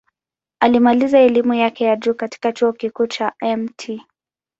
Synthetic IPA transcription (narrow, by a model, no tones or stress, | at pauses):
alimalizaɛlimujakɛjad͡ʒuːkati̥kat͡ʃuɔkikuːt͡ʃaɛmtʰi